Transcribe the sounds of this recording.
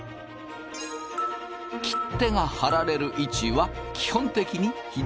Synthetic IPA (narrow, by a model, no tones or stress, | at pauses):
kʲi̥t̪ːe̞ŋahaɾaɾe̞ɾɯ̟ʔit͡ɕiβakʲi̥hõ̞nt̪e̞kʲiɲ̟içi